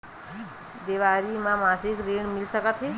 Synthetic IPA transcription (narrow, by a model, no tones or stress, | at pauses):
d̪iʋaɾimãmasikɾiɳ̃milsəkət̪ʰɦe